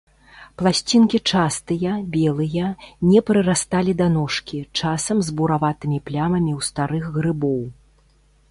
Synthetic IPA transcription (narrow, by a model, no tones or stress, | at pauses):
plˠasʲt͡sʲinkʲit͡ʂast̪ɨjɐbʲɛlˠɨjɐnʲɛpɾɨɾast̪alʲid̪anɔʂkʲit͡ʂasɐmzbuɾavat̪ɨmʲiplʲamɐmʲiwst̪aɾɨxɣɾɨbɔw